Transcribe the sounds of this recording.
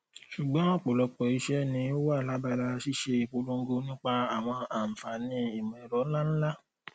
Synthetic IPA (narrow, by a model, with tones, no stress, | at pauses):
ʃu˨ɡ͡bɔ̃˨˦ɔ˦˨k͡po˨lɔ˨˧k͡pɔ˨i˧ʃɛ˦nĩ˧o˦wa˦˨la˨˦ba˧la˧ʃi˦ʃe˧˨k͡po˧lo˧ŋ̩˦ɡo˧nĩ˦k͡pa˧a˨w̃ɔ̃˧a˨m̩˨fa˨nĩ˧i˨mɛ̃˨ɾɔ˨˦la˦n̩˦la˦